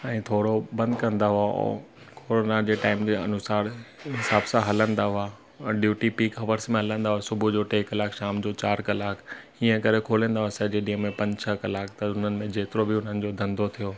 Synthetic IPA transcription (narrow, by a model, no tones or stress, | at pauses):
ɛ̃ːt̪ʰoːɽobɐ̃nd̪kɐ̃nd̪aɦʊa̰ | koːɾonad͡ʑeːʈaːɪmd͡ʑeɐ̰nʊsaːɾɦɪsaːbsãɦɐlə̃nd̪aɦʊa | ɖjuːʈipiːkɦɐʋəɾsmẽɦɐlə̃nd̪aɦʊasʊbʱud͡ʑoːʈeːkɐlaːkʃaːmd͡ʑoːt͡ɕaːɾkɐlaːkʰ | iːə̃kɐɾekʰoːlə̃ːnd̪aɦʊasɐd͡ʑeɗĩə̃mẽpɐ̃ɲd͡ʑt͡ɕʰɐkɐlaːkt̪ɐʊn̤ənɪ̆mẽd͡ʑeːt̪ɪɾobɪʊn̤ənɪ̆d͡ʑoːd̪ʱɐ̃nd̪ʱot̪ʰijoː